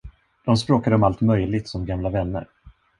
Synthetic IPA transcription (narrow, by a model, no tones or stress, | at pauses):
d̪̥ɔmspɾoːkad̪əɔmalt̪mœjlɪt̪sɔmɡamlavɛnːə̰ɾ